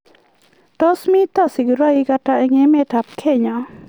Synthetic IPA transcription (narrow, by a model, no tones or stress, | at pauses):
tɔsmit̪asiɡɾaiɡaʈaɛŋemetap̚kʰeɲa